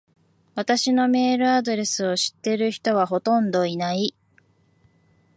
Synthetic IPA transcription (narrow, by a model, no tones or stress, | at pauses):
βat̪aɕino̞me̞ːɾɯ̟ad̪o̞ɾe̞sɨo̞ɕi̥t̪ːe̞ɾɯ̟çi̥t̪o̞β̞aɦo̞t̪õ̞nd̪o̞inai